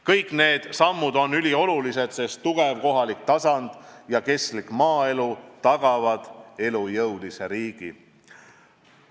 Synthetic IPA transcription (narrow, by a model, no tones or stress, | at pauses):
kɤjkːˑne̞ːd̪̥sɑmːud̪o̞nylʲio̞lulise̞d̪̥se̞st̪ːuɡ̥e̞vko̞ɦɑlik̚t̪ɑsɑnd̪̥jɑke̞slikmɑːe̞lut̪ɑɡ̥ɑvɑd̪̥e̞lujɤwd̪̥ise̞ɾiːɡ̥i